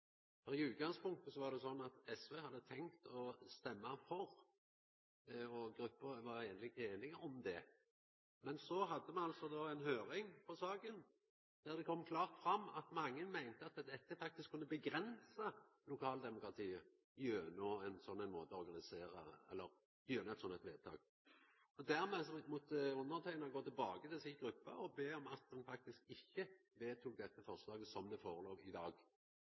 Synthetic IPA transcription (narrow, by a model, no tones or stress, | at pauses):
fɔɾɪʉːt̪̚ɡɑŋspʊŋk̚t̪əsɔʋɑʁd̪ɛsɔnːɑt̪ɛsʋeːhɑd̪ːət̪ʰɛŋkt̪ʰɔst̪ɛmːɑfɔɾ | ɔɡɾʉpːəɾʋɑʁeːnlɪeːnɪɡəɔmd̪ɛ | mɛnsɔɦɑd̪ːəmɛnɑlsɔd̪oːɛɪnɦøːɾɪŋpʰɔsɑːɡən | d̪̥æʁd̪ɛkʰɔmːkʰlɑːʁt̪fɾɑmːɑ̰t̪mɑŋːənmæɪnt̪əɑt̪̚d̪ɛt̪ːɛt̪ːəfɑk̚t̪ɪskʰːʉnːəbəɡɾɛnsɑlʊkʰɑːld̪ɛmʊkɾɑt̪ʰiːə | jøːnɔɛnsɔnːæɪnmoːt̪əɔɔɾɡɑnɪseːʁə̰ɛ̰lːəʁ | jøːnəɛt̪sɔnːɛt̪ʋeːd̪̚t̪ʰɑ̰ːɡ | ɔd̪æʁmɛːsɔmʊt̪ʊnəʁt̪ʰæɪnɑɡoːt̪ɪlbɑːɡət̪ɪlsɪɡʁʉpːɑ̰ɔbeːɔmɑt̪̚d̪ɛnfɑk̚t̪ɪskɪçːəʋeːt̪ʰuːk̚d̪ɛt̪ːəfɔʁʂlɑːɡəsɔmd̪ɛfoːʁəloːʋɪd̪ɑːɡ